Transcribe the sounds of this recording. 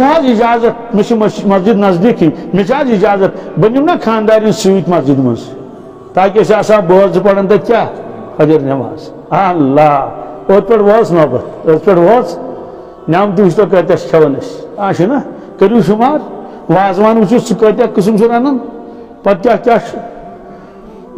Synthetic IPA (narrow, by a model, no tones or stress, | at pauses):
t͡ʃʰaːzid͡ʒaːzɐt̪̚miʃimɐzd͡ʒid̪nɐzd̪iːkʰimʲit͡ʃaːzid͡ʒaːzɐt̪̚bɐnʲumnaːkʰaːnd̪aːɾinsuit̪mɐzd͡ʒid̪mɐ̰nz | t̪aːkʲiɐsɐsaːboːɾzɨpɐɽɐnt̪ɐkʲaː | xɐd͡ʒɐɾnʲɐʋa̰ːz | ɐlːaː | oːt̪̚pʲeʈʋoːt͡snoːbɐɾoːt̪pʲeʈʋoːt͡s | nʲaːmt̪̬iiʃ̬t̪oːk̬ɐɾt̪ʲaskʲʰɐʋɐnɐʃaːʃinɐ | kɐɾuːʃumaːɾ | ʋaːzʋaːnbɨt͡ʃʰusɨkɐːt̪ʲakɨs̬umsuɾɐnɐn | pɐt̪̚t̪ʲaːkʲaːʃ